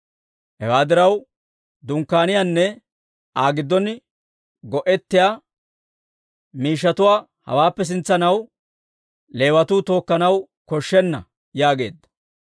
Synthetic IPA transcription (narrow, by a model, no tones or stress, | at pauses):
hɛ̰waːd̪ɪɾɐw | d̪ʊŋkːaːnɪjanːɛ | aːɡɪd̪ːɔn | ɡɔʔɛt̪ːɪjaː | miːʃ̬ːɐt̪ʊwaː | hɐ̰waːpːɛs̬ɪnt͡sːɐnɐw | le̞ːwɐt̪uːt̪o̞ːkːɐnɐw | kɔʃːɛnːɐ | jaːɡe̞̰ːd̪ːɐ̥